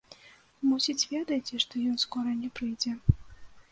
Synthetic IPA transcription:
musʲit͡sʲvʲɛd̪ɐjt͡sʲiʂt̪ɔjɔnskɔɾɐnʲɛpɾɨjd͡zʲɛ

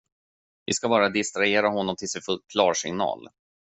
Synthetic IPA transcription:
vɪ̰skabɑːɾad̪ɪst̪ɾaeːɾaɦɔnːɔmt̪ʰɪlsɛfɵl̚kʰlɑːɾʂɪ̰ŋnɑ̰ːl

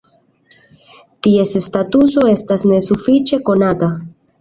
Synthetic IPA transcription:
tie̞sestatuso̞estasne̞sufit͡ʃe̞ko̞nata

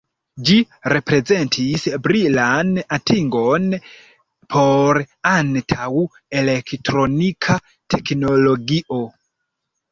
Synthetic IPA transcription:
d͡ʒi | ɾe̞pɾe̞zentʰisbɾilanatʰiŋɡon | pʰoɾantʰawu | elektɾonikʰa | tʰeknoloɡiʔo

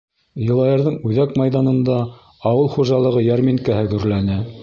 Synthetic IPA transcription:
jɤ̆lˠɑjɤ̆ɾðɤɴʉðækmɑjðɑnɤ̆nd̪ɑː | wɤlˠχuʒɑlˠɤ̆ʁɤjæɾmiŋkæhɘɡɵ̆ɾlænɘ

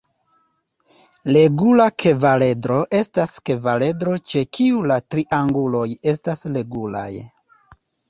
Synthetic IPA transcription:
le̞ɡulakʰe̞vale̞dɾo̞ʔe̞staske̞vale̞dɾo̞t͡ʃe̞kʰiulatɾiʔaŋɡulo̞je̞stasle̞ɡula̰j

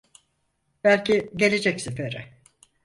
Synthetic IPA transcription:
b̥ælʲcʰiɟe̞lʲed͡ʒɛcsefeɾɛ

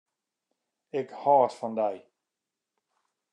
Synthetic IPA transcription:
ɪkhɔːtfɔndɛj

